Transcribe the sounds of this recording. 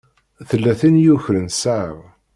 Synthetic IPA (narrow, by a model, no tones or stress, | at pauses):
θəlːæθinjuçɾənsaʕə̰v